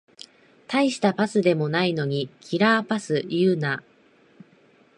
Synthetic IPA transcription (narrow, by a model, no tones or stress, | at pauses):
t̪aiɕi̥t̪apasɨd̪e̞mo̞naino̞ɲ̟ikʲʰiɾaːpasɨjɯːna